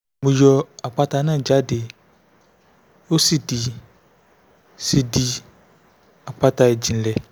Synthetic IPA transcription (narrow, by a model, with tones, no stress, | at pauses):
mũ˨jɔ˨a˨k͡pa˦ta˨˦nã˦˨d͡ʒa˦de˨ | o˦si˦di˨ | si˨di˨ | a˨k͡pa˦ta˨e˨d͡ʑi˨n̩˨˦lɛ˨